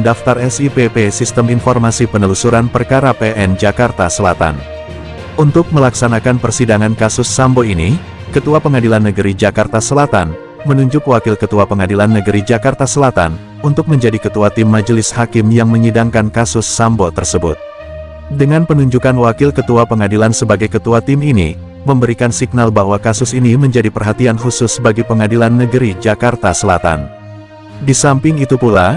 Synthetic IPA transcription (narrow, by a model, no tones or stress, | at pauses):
daft̪arɛsipepesist̪əminfɔrmasipənəlusuɾanpərkaɾapeʔɛnd͡ʒakart̪asəla̰t̪a̰n | ʔunt̪ʊk̚məlaksanakanpərsidaŋankasʊsːamboini | kət̪uapəŋadilanːəɡəɾid͡ʒakart̪asəlat̪a̰n | mənuɲd͡ʒʊkwakɪlkət̪uapəŋadilanːəɡəɾid͡ʒakart̪asəlat̪a̰n | unt̪ʊk̚məɲd͡ʒadikət̪uat̪ɪmːad͡ʒəlɪshakɪmjaŋməŋidaŋkankasʊsːambot̪ərsəbʊ̰t̪̚ | dəŋanpənuɲd͡ʒukanwakɪlkət̪uapəŋadilansəbaɡajkət̪uat̪ɪminḭ | məmbəɾikansik̚nalbaɦwakasʊsiniməɲd͡ʒadipərɦat̪ianɦusʊsbaɡipəŋadilanːəɡəɾid͡ʒakart̪asəla̰t̪a̰n | disampɪŋit̪upula